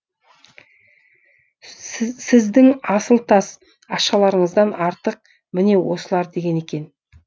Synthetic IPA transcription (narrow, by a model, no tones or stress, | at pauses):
sɪzd̪ɪŋɑsəlˠt̪ʰɑs | ɑʃɑlˠɑɾəɴəzd̪ɑnɑɾt̪əq̚ | mɪne̞wo̞̰səlˠɑɾd̪e̞ɡʲe̞ne̞kʲe̞n